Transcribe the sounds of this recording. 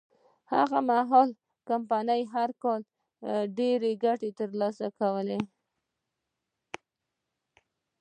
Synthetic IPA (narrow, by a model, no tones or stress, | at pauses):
ha̰ɣamaɦɔl | kampanəjɦaɾkɑl | ɖeɾeɡaʈet̪əɾlɑsakawəle